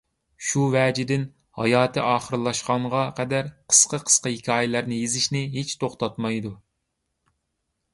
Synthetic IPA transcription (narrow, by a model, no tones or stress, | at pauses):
ʃuvɛːd͡ʒɪd̪ɪn | hɑ̰jɑːt̪ʰɨʔɑːχəɾlˠɑʃqɑɴʁɑqʰɛd̪æɾqʰə̥sqəqʰə̥sqɑhikʲʰɑːjɪlæɾnɪjezɪʃnɪɦet͡ʃt̪ʰoχt̪ɑt̪mɑjd̪u